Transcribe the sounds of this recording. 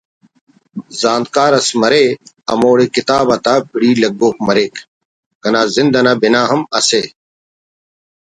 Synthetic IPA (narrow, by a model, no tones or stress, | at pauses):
zaːnd̪̚kaːɾɐsmɐɾe | ɐ̰moːɽekit̪aːbɐt̪aːpiɽiːlɐɡboːk̚mɐɾeːk | kɐnaːzɪnd̪ɐnaːbinaːɦɐmɐse